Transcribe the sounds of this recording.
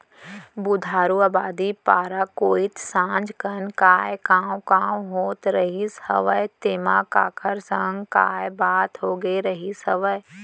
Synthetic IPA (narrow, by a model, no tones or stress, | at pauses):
bud̪ʱaːɾuaːbaːd̪ipaːɾakoːit̪sãːd͡ʒkənkaːjkaːũkaːuɦoːt̪ɾəɦishə̰ʋəjt̪eːma̰ka̰ːkʰəɾsãŋɡka̰ːjbaːt̪ɦoːɡeɾɐɦisəʋəj